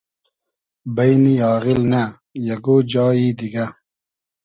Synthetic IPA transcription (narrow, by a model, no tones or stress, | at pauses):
bɐjniɑːɣilna | jɐɡoːd͡ʑɑːiːd̪iɡɐ